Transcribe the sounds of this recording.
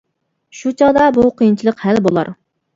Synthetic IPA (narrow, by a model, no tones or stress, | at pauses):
ʃut͡ʃʰɑd̪ɑbuqʰəjint͡ʃʰilˠəqhælbolˠɑ̰ɾ